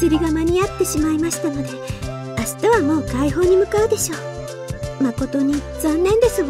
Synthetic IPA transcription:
iɾʲiɡamaɲ̟iat̪ːe̞ɕimaimaɕi̥t̪ano̞d̪e̞ | asɨ̥t̪aβamo̞ːkaiɦo̞ːɲ̟imɯ̟kaɯ̟d̪e̞ɕo̞ː | mako̞t̪o̞ɲ̟i | zõ̞nːẽ̞nd̪e̞sɨɡ

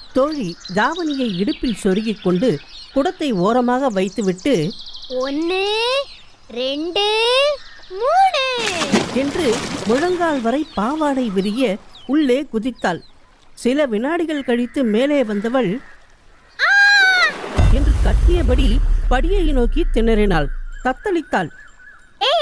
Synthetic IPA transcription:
t̪oːɻid̪aːʋɐnɪjɐɪɪɽɯpːɪlsɔɾɯɣɪkːɔɳɖɯkʊɽɐt̪ːɐɪoːɾɐmaːɣɐʋɐɪt̪ːɯʋɪʈːɯɔnːɯ | ɾɛɳɖɯ | muːɳɯɛndrɯmʊɻɐŋɡaːɭʋɐɾɐɪpːaːʋaːɽɐɪʋɪɾɪjɐʊɭːeːkʊðɪt̪ːaːl | sɪlɐʋɪnaːɽɪɣɐɭkɐɻɪt̪ːɯmeːleːʋɐnd̪ɐʋɐɭ | aː | ɪndrɯkɐʈːɪjɐpɐɽipɐɽɪjɐjnoːkit̪ːɪnɐɾɪna̰ːlt̪ɐt̪ːɐlɪt̪ːaːl | eː

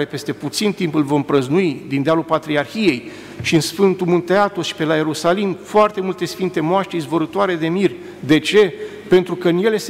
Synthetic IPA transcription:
e̞pe̞st̪e̞put̪sint̪impɨlvo̞mpɾəznuid̪ind̪ealupat̪ɾiarxije̞j | ʃiɨnsfɨnt̪umunt̪eat̪oʃi̥pe̞laje̞ɾusalimfoart̪e̞mult̪e̞sfint̪e̞moaʃt̪ɾizboɾɨt̪oaɾe̞d̪e̞mirʲ | d̪e̞t͡ʃe̞ | pe̞nt̪ɾukəɨnje̞le̞s

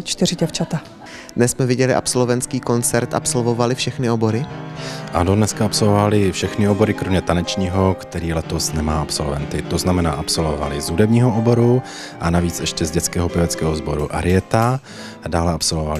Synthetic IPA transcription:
t͡ʃt̪ɪrɪɟɛft͡ʃat̪a | dnɛsmɛvɪɟɛlɪʔa̰psolovɛnt͡skiːko̞nt͡sɛɾt̪ʔa̰pso̞lvo̞valɪfʃɛxnɪo̞bo̞ɾɪʔa̰nodnɛskaapso̞lvovalɪfʃɛxnɪobo̞ɾɪkɾomɲɛt̪anɛt͡ʃɲiːɦo̞kt̪ɛɾiːlɛt̪o̞snɛmaːapsolvɛ̰nt̪ɪt̪o̞znamɛna̰ːʔapso̞lvova̰lɪzɦudɛbɲiːɦoʔobo̞ɾu | ʔanaviːt͡sɛʃcɛzɟɛt͡skɛːɦopɪvɛt͡skɛːɦo̞zbo̞ɾuʔa̰ɾɪjɛt̪a | daːlɛapsolvova̰lɪ

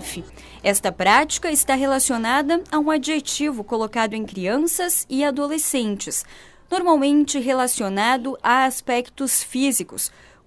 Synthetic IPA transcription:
fɪ | ɛst̪ɐpɾat͡ʃi̥kɐɪst̪aɦelasionad̪ɐaũad͡ʒiʒet͡ʃivʊkolokad̪ʊẽj̃kɾiɐ̃sɐzɪad̪olesẽnt͡ʃɪs | noɾmawmẽnt͡ʃɪɦelasionad̪ʊʔaaspɛkt̪ʊsfizikʊ̰s

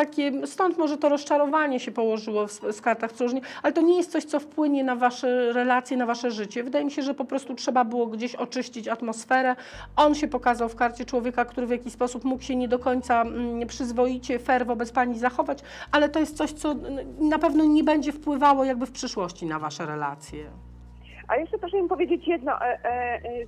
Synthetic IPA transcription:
t̪akʲɛst̪ɔnt̪mɔʐɛt̪ɔɾɔst͡ʂaɾɔvaɲɛɕɛpɔwɔʐɘwɔfsskaɾt̪axt̪ɾuʐɲɛalɛt̪ɔɲɛjɛst̪sɔɕt̪sɔfpwɘɲɛnavaʂɛɾɛlat̪sʲjɛnavaʂɛʐɘt͡ɕɛvɘd̪ajɛmʲiɕɛʐɛpɔpɾɔst̪utʂɛbabɘwɔɡd͡ʑeɕɔt͡ʂɘɕt͡ɕit͡ɕat̪mɔsfɛɾɛ | ɔnɕɛpɔkazawfkaɾt͡ɕɛt͡ʂwɔvʲjekakt̪uɾɘvʲjakʲispɔsupmukɕɛɲɛd̪ɔkɔɲt̪sapʂɘzvɔjit͡ɕɛfɛɾvɔbɛt̪spaɲizaxɔvat͡ɕ | alɛt̪ɔjɛst̪sɔɕt̪sɔnapɛvnɔɲɛbɛɲd͡ʑɛfpwɘvawɔjaɡ̚bɘfpʂɘʂwɔɕt͡ɕinavaʂɛɾɛla̰t̪sʲjɛ̰ | a̰jɛʂt͡ʂɛpɾɔʂɛmimpɔvʲjed͡ʑet͡ɕjɛd̪nɔ̰ʔ

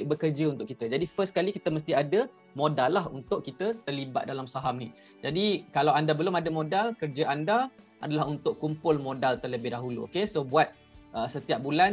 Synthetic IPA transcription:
ʔ̚bəkərd͡ʒəunt̪ʊʔkit̪əd͡ʒadifəskalikit̪əməs̬t̪iadə | modalːahɦunt̪ʊʔkːit̪ət̪ərliba̰t̪̚dalamsaɦamnḭ | d͡ʒadikalawandabəlʊmadəmodalkərd͡ʒəʔanda | ʔa̰dalaɦunt̪ʊʔkːumpʊlmõdalt̪ərləbɪhdaɦulṵo̰kesobuat̪̚ | ʔəsət̪iap̚bulan

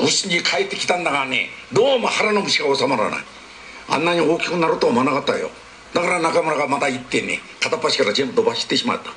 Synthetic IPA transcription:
usɨɲikʰait̪ːekʲi̥t̪and̪aɡanḛ | d̪oːmahaɾanomɯɕikɡaosamaɾa̰na̰i | a̰nːaɲioːkʲi̥kɯnːaɾot̪ːoamanaɡat̪ːa̰jo̰ | d̪̥akaɾanakamɯɾaɡamat̪ait̪ːe̞nḛkʰat̪apːaɕi̥kaɾad͡ʑembɯd̪obaɕi̥t̪ːe̞ɕima̰t̪ːḁ

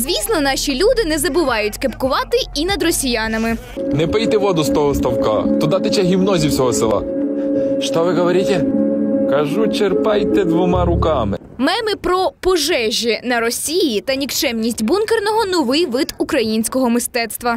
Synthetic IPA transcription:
zʲʋʲisnɔnɑʃʲilʲud̪ɪnɛzɐbʊʋɑjʊtʲkepkʊʋɑt̪ɪinɐd̪rɔsʲijɑnɐmɪ | nɛpɪjt̪ɛʋɔd̪ʊst̪ɔɦɔst̪ɐwkɑ̰t̪ʊd̪ɑt̪ɪt͡ʃɛɦʲiwnɔzʲiwsʲɔɦɔsɪlˠɑ̰ | ʃt̪ɔʋɪɦɔʋɔɾʲit̪ʲɛkɐʒut͡ʃerpɑjt̪ɛd̪ʋɔmɑɾʊkɑmɪ̰ | mɛmɪpɾɔpɔʒɛʒʲinɐɾɔsʲijit̪ɐnʲikt͡ʃɛmnʲisʲtʲbunkernɔɦɔnʊʋɪjʋɪd̪ukɾɐjinʲsʲkɔɦɔmɪst̪ɛt̪st̪ʋɐ

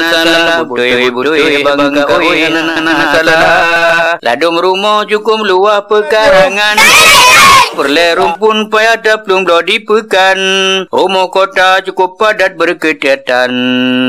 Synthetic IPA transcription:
aaa | udaaŋkanaanaasalaala̰dʊmɾumɔd͡ʒukʊmluwahpəkaɾaŋan | pərlɛɾumpʊnpajadap̚luŋblɔdipəkanrumɔkɔt̪at͡ʃukupːadat̪̚bərkətiat̪an

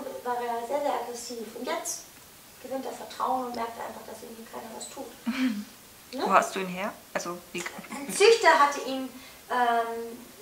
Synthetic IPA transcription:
vaːʁeːɐzeːɐzeːɐʔaɡʁɛsiːfʊntjɛt͡st | ɡ̥əvøːntɛɐfɛɐtʁ̥aʊənʊntmɛɐk̚tʔa̰ɪnfaχd̥asʔɪɐɡŋ̩tv̥iːkʰaɪnɐvastʰuːt | nəoːhastd̥uːiːnɦeːɐʔalzov̥int͡sʏçtɐɦatəʔiːm | ʔɛːm

